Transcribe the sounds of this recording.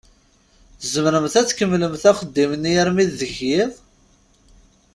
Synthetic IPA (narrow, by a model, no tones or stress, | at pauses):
zəmɾəmθæt͡sːkəmːləmθæχəd̪ːimənːijəɾmiðːəçiðˤ